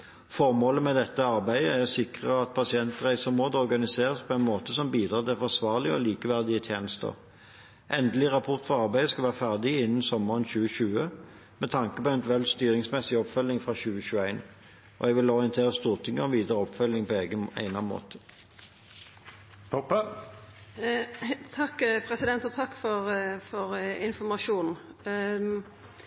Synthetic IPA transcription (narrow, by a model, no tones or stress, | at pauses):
fɔʁmoːləmɛd̪ɛt̪ːəɑʁbæɪd̪əæʁɔsɪkʁəɑt̪̚pʰɑsɪɛnt̪ʁæɪsəmoːd̪ɔʁɡɑnɪseːʁəspʰɔɛɪnmoːt̪əsɔmbiːd̪ʁɑːd̪ɛfɔsʋɑːʁlɪɔliːkəʋæʁd̪ɪət̪ʰjeːnəst̪ə̰ʁ | ʔɛnd̪əlɪʁɑpʰʊʁt̪fɔʁɑʁbæɪd̪əskɑlʋæːʁəfæʁd̪ɪɪnːən̩sɔmːəʁənçʉːəʃʉːə | mɛt̪ʰɑŋkəpɔɛnʋɛld̪st̪yːɾɪŋsmɛsɪɔpfœlːɪŋfʁɑɕʉːəʃʉːæɪn | ʔɔ̰ɛɡʋɪlɔʁɪənt̪ʰeːʁəst̪uːʁt̪ʰɪŋːəɔʋiːd̪əʁɔpfœlːɪŋpʰɔeːɡəæ̰ɪnɑnmo̰ːt̪ʰə̥ | t̪ʰɔpːə | t̪ʰɑkːpʰɾɛsɪd̪ɛnt̪ɔt̪ʰɑkːfɔʁfɔʁɪnfɔmɑʃuːn